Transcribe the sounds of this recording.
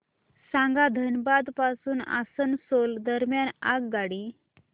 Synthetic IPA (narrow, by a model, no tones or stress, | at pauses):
sãŋɡad̪ʱənbad̪pasuːna̰sənsold̪əɾmjanaɡɡaɽi